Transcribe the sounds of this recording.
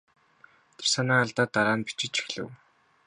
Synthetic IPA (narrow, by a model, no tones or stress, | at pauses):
t̪ʰersanaːaɮt̪aːt̪ːaɾaːnpi̥t͡ɕɪ̆t͡ɕi̥xɮɘ̰̆w